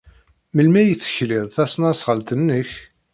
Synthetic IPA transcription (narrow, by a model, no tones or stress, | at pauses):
məlmæjəθə̥çliðˤθæsnɑsʁəlt̪ənːəç